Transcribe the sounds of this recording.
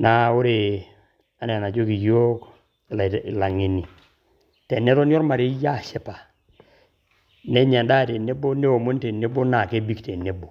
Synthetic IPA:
na˨ʊ˦ɾe˨ | a˦ne˨na˨t͡ʃo˦ki˨jo˦k | lla˨ŋe˨ni˨ | tɛ˨nɛ˦tɔ˦n˦ɔ˦ɾma˨ɾe˦ja˦˨ʃɛ˦pa˨ | ne˦ɲa˨nda˦˨te˨ne˦bo˦ne˦o˨mo˦n˦te˨ne˦bo˦na˨ke˦bi˦kte˨ne˦bo˨

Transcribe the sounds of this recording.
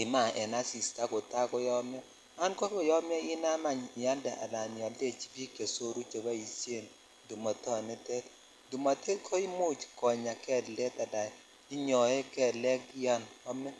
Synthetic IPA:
i˨ma˨ɛ˨na˦si˨sta˦ko˨ta˦kɔ˦jɔ˦m˦ɔ˦ | a˦nkɔ˦kɔ˦jɔ˦mjɔ˦i˦na˦ma˨ɲ˨ja˦ndɛ˨ʔa̰˨la˨nja˨lde˦˨t͡ʃi̥˦bi˦kje˨so˦ɾu˦t͡ʃo˨ba˦i˨sje˦˨n | du˨mɔ˨tɔ˦ne˦tɛ˦t | du˨mɔ˨tʰɛ˦tkʰɔ˦i˦mu˦t͡ʃkɔ˨ɲa˨kɛ˦lɛ˦ta˨da˨ | i˦ɲɔ˨ɛ˦kɛ˨lɛ˦ki˦ja˦nɔ˦mɛ˦

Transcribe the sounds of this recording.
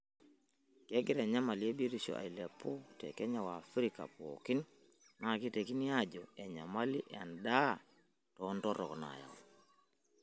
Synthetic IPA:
kɛ˦ɡɪ˦ɾɛ˨ɲa˦ma˨li˦e˦be˦ɾi˦ʃɔ̰˨ʔa̰˨i˨lɛ˨pːo˦tɛ̰˨kɛ˦ɲa˨wa˨fɾi˦ka̰˨po̰˨ki˦n | na˨ki˦te˨ki˦ni˦ja˦d͡ʒɔ˨ɛ˨ɲa˨ma˦li˦ʔa˨nda˦ | tɔ˨˦ntɔ˦ɾɔ̰˨kna̰˨ja̰˨w

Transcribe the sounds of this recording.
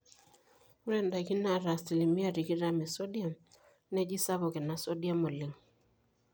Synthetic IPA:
u˦ɾɛ˦˨nda˨ki˦na˨ɾa˨sti˨li˨mi˦a˦ɾi˨ki˦ɾa˨mɛ˨so˦dja˨m | ne˦d͡ʒi˦sa˦βo˨ke˨na˨so˦dja˦mo˨li˨ŋ

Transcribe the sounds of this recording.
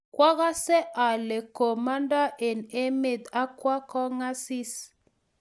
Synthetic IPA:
kwa˦ɣa˦sɛ˦ʔa˨le˨ko˨ma˦nda˦ʔe˨ne˦me˨d̪a˦kwa˦kɔ˦ŋa˦si˦s

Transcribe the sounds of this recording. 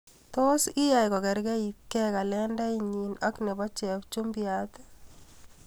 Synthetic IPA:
to˦si˦ja˨jkɔ˨ɡɛ˨ɾɡɛ˦ikːɛ˦ka˨lɛnda˦jɲinɔ˦kne˨bɔ˦t͡ʃɛkt͡ʃu˦mbiat̪

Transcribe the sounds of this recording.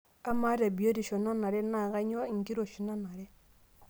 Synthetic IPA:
a˦ma˦ɾa˨bi˨o˦ɾi˨ʃɔ˨na˦na˨ɾɛ˦na˨ɣa˦ɲ˦ɔ˦˨ŋ̩˨ki˦ɾo˨ʃi˨na˦na˨ɾɛ˦

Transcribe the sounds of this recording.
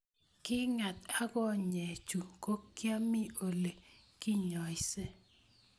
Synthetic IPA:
kɪ˦ŋa˨t̪a˦ɡɔ˦ɲe˨t͡ʃu˨ko˦kja˦mi˦o˨le˨kɪ˦ɲɔ˨ɪ˨se˦

